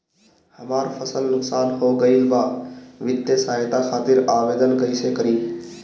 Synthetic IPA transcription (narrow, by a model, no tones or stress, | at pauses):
həmaːɾpʰəsəlnʊksaːnɦoːɡəibaːʋɪd̪jəsaːɪt̪akʰaːt̪ɪɾaːʋeːd̪ənkəisekəɾiː